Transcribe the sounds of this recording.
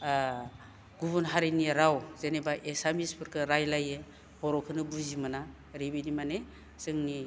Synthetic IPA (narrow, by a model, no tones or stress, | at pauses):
ɡuβunɦaɾiniɾawzenebaʔesamispʰɯɾkʰɯɾajlajɯ | bɔɾɔkʰɯnɯbuzimɯna | ɾibinimane | sɯŋni